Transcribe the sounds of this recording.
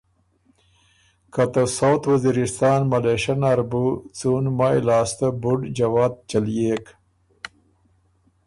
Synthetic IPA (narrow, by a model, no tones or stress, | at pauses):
kat̪asawt̪ʰwaziɾist̪ɑːnmɐleʃɐnaɾbut͡suːnmajlɑːst̪abuɖd͡ʒawaːd̪̚t͡ʃaljeːk